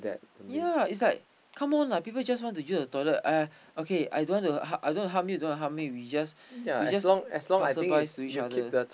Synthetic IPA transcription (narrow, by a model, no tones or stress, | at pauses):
dɛ̰t̚jaits̬laɪk̚ | kʰãmɔ̃napipəld͡ʒaswɔ̃ntujusdətɔləta | okea̰jdõwɔ̃ntuhaʔa̰jdõntuɦap̚mjidõwɔ̃tuɦap̚miwid͡ʒas | jawid͡ʒaslɔ̃ŋɛslɔ̃ŋajsə̃vaɪstuit͡ʃadkəidə